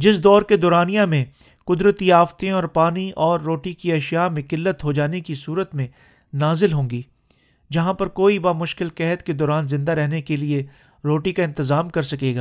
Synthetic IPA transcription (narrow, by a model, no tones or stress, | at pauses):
d͡ʒɪsd̪ɔːɾked̪ɔːɾaːnijãmẽ | kʊd̪ɾət̪iaːft̪ẽɔːɾpaːniʔɔːɾːoːʈikiɛːʃjamẽkɪlːət̪ɦod͡ʒaːnekisuːɾət̪mẽ | naːzɪlɦõːŋɡiː | d͡ʒɐɦãpɐɾkoːibamʊʃkɪlkɛɦət̪ked̪ɔːɾaːnzɪ̃nd̪aɾɛɦnekelie | ɾoːʈikaɪ̃nt̪ɪzaːmkɐɾsɐkeːɡaː